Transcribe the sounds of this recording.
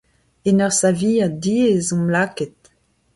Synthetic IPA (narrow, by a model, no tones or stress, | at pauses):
enœʁsaviːadiezɔ̃mlakɛt̪̚